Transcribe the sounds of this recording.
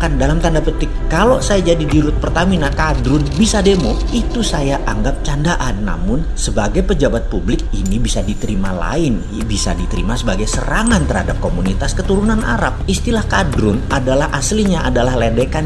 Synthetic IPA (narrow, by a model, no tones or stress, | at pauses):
kandalamt̪andaput̪ɪkːalosajad͡ʒadidiɾʊt̪̚pərt̪aminakadɾʊnbisademo | it̪usajaʔaŋɡap̚t͡ʃandaʔanːa̰mʊnsəbaɡajpəd͡ʒabat̪̚publɪk̚inibisadit̪əɾimala̰ɪn | bisa̰dit̪əɾimasəbaɡajsə̰ɾaŋant̪ərhadap̚komunit̪askət̪uɾunanʔa̰ɾa̰p̚ist̪ilahkadɾʊnadalahʔasliɲaʔadalahledekan